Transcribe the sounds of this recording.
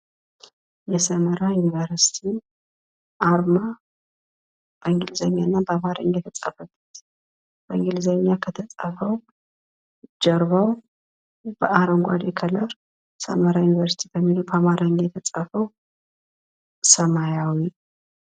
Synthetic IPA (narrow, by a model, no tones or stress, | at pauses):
jɛsəməɾajunivəɾsi̥t̪ʰi | ʔaɾma | b̥əŋɡɪlzəɲːanːabəamaɾə̰ɲjɛt̪ʰət͡sʼəfəbut̪ | b̥əɨŋɡɪlzəɲːakʰət̪ʰəsʼəfəw | d͡ʒɛɾβaw | b̥əʔaɾəŋɡʷa̰d̪ekʰələɾ | sə̰məɾajunivəɾsi̥t̪ʰibəmːilubəamaɾaɲjɛt̪ʰət͡sʼəfəw | səmajawi